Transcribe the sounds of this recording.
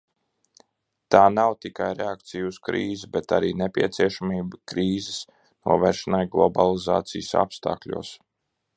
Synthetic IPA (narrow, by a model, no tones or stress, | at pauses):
t̪aːnawt̪ikajɾeak̚t̪sijuuskɾiːzibɛt̪aɾiːnepʲiɛt̪siɛʃamiːbakɾiːzes | nṵɔvɛːɾʃɛnajɡlˠɔbalˠiza̰ːt̪sijəsa̰pst̪a̰ːklʲṵɔs